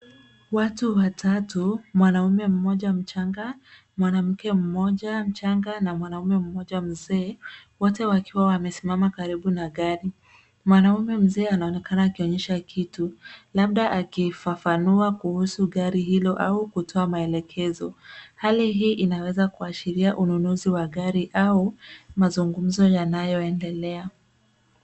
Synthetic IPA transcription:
watuwatʰatumwanaumɛm̩mɔʄam̩t͡ʃaŋɡa | mwanam̩kɛm̩mɔʄam̩t͡ʃaŋɡanamwanaumɛm̩mɔʄam̩zɛːwɔtɛwakiwawamɛsimamakaɾiɓunaɠaɾi | mwanaumɛm̩zɛːanaɔnɛkanaːkiɔɲɛʃakʰitulaɓ̚ɗaʔakifafanuakuhusuɠaɾihilɔʔaukutʰɔamaɛlɛkʰɛzɔhaliɦiːʔinawɛzakuaʃiɾiaʔununuziwaɠaɾiʔaumazuŋɡum̩zɔjanajɔɛndɛlɛa

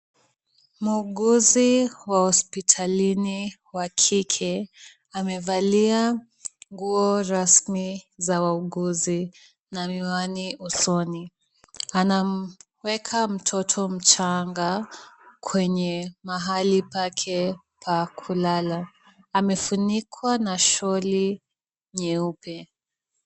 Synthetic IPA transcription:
muːɠuziwahɔspitʰalini | wakʰikʰɛ | amɛvalia | ŋɡuɔɾasmizawauɠuzi | namiwaniusɔni | anam̩ | wɛkʰam̩tʰɔtʰɔm̩t͡ʃaŋɡa | kʰwɛɲɛmaɦalipakʰɛ | pʰakʰulalaː | mɛfunikʰwanaʃɔli | ɲɛupɛ

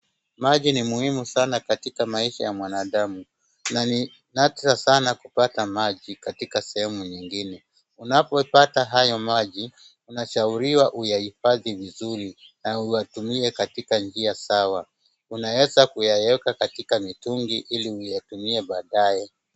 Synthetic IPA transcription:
maʄinimuhimusanakatikamaiʃa̰jamwanaɗamu | natɾasanakupatamaʄikatikasɛhɛmuɲiŋɡinɛ | unapɔpataɦajɔmaʄi | unaʃauɾiwaʔujahifaðivizuɾi | naujatumiɛkatikand͡ʒiasawa | unawɛzakujaɛɛkakatikamituŋɡiʔiliujatumiɛɓaːɗajɛ

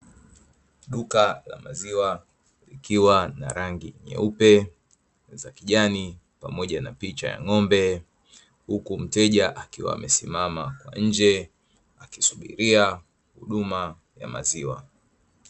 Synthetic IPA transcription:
ɗukala̰maziwa | likiwanaɾaŋɡiɲɛ̰upɛ | zakiʄani | pamɔʄanapit͡ʃa̰ja̰ŋɔmbɛ | hukum̩tɛʄaʔakiwa̰ːmɛsimamakwa̰ɲ̩d͡ʒɛ | aki̥suɓḭɾia | huɗuma | ja̰ma̰ziwa

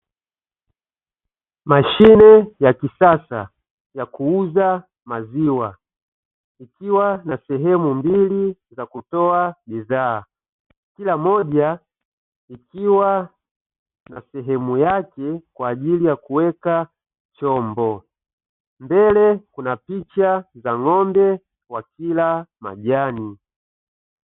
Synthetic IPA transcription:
maʃinɛjakisasa̰ | jakuuza | maziwa | ikiwanasɛɦɛmumbilizakutɔaɓizaː | kilamɔʄa | ikiwa | na̰sɛɦɛmujakɛkwaːʄilijakuwɛka | t͡ʃɔmbɔ | mbɛlɛkunapit͡ʃazaŋɔmbɛ | wakilama̰ʄani

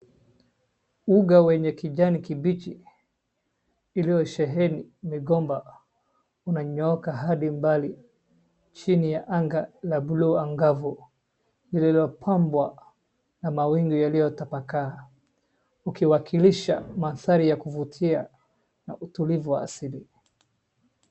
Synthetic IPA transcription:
uɡawɛɲɛkiʄanikibit͡ʃi | lijɔʃɛɦɛnimiɡɔmba | unaɲɔɔkaɦaɗimbali | t͡ʃinijaʔaŋɡalabuluːaŋɡavu | lililiɔpʰambwa | namawiŋɡijalijɔtapakaː | ukiwakʰiliʃa̰maθaɾijakuvutʰia | na̰ʔutulivuwaːsili

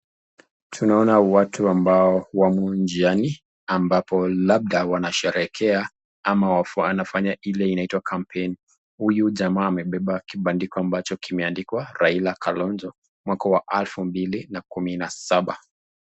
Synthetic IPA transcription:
tʰunaɔnawatʰuambaɔwamund͡ʒiani | ambapɔlaɓ̚ɗawanaʃɛɾɛkʰɛa | amawafanafaɲailɛinaitwakʰampʰɛni | hujuʄamaːmɛɓɛɓakiɓandikɔambat͡ʃɔkimɛandikwaɾailakʰalɔnzɔ | mwakawaʔalfumbilinakuminasaɓa

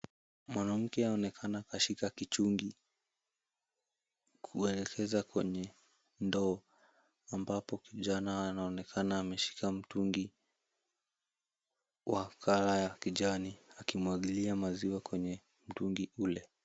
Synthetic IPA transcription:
mwanam̩kɛaɔnɛkʰanaːkaʃikakit͡ʃuŋɡi | kʰuɛlɛkʰɛzakwɛɲɛ | ndɔː | ambapɔkiʄanaːnaɔnɛkʰanaːmɛʃi̥kam̩tuŋɡi | wʔakʰalajakiʄaniakimwaɠiliamaziwakwɛɲɛ | m̩tuŋɡiulɛ

